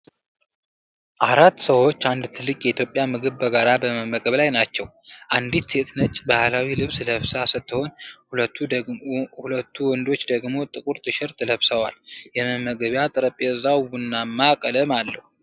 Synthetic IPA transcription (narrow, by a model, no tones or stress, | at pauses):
ʔaɾat̪ːsəwo̞t͡ʃːand̪t̪ʰɨlːɨkʼjɛit̪ʰjo̞pʼːjamɨɡɨβbəɡaɾabəməmːəɡəβlajnat͡ʃːɛw | ʔand̪it̪set̪nət͡ʃʼbahlawilɨβsɨləβsasɨt̪ʰːɨho̞nhulət̪ːu | hulət̪ːuwɔnd̪o̞t͡ʃːd̪əɡmo̞t̪ʼɨkʼuɾt̪ʰɨʃɪɾt̪ʰɨləβsəwa̰ljɛməmːəɡəβjat̪ʼɨɾəpʼeɨzawwunːamːakʼələmalːəhu